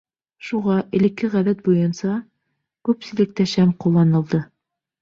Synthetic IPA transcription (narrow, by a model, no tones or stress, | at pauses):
ʃuʁɑʔɘ̆lɘ̆kːɘʁæðæt̪̚bujɤ̆nsɑ | kʉpsɘ̆lɘ̆k̚t̪æʃæmqulˠːɑnɤ̆lˠd̪ɤ